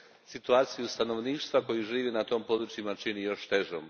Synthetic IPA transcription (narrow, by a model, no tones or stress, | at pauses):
sit̪uaːt̪sijust̪ano̞ʋniːʃt̪ʋako̞juʒiːʋinat̪o̞ːmpo̞d̪ɾut͡ʃjimat͡ʃinijo̞ʃt̪e̞ʒo̰m